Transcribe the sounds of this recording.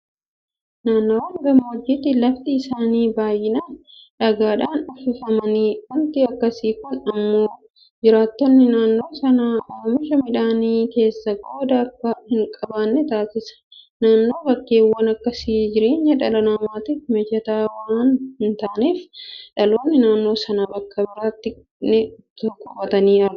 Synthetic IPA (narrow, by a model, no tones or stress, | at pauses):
naːnːoːwɐŋɡɐmɐwɔd͡ʒːɪt̪ɪlɐft̪ɪːsaːniːbaːjːɪnɐᶑɐɡaːᶑaːnɔfɪfɐmɐniːhʊnt̪ɪɐkːɐsiːkʊnɐmːoː | d͡ʒɪɾaːt̪ːɔnːɪnaːnːo̞ːsɐnaːʔoːmɪʃɐmɪᶑaːniːke̞ːsːɐɡoːd̪ɐɐkːɐhɪŋkʼɐbaːnːɛt̪aːsɪsɐ̥naːnːo̞ːbɐkːeːwːɐnɐkːɐsiːd͡ʒɪɾeːɲːɐᶑɐnɐnɐmaːt̪ɪfmɛd͡ʒɐt̪aːwɐaːnhɪnt̪aːneːfᶑɐloːnːɪnaːnːo̞ːsɐnabɐkːɐbɪɾaːt̪ːɪ | nɪt̪kːʊfɐt̪ɐniːɐ